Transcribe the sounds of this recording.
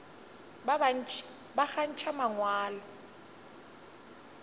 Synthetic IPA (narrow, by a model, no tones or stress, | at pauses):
baχan̩t͡ʃʰamaŋwaːlɔ